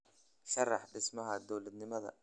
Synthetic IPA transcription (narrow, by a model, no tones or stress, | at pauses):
ʃɑrˤːɑħd̪ɪsmaɦad̪owlat̪nɪmaða̰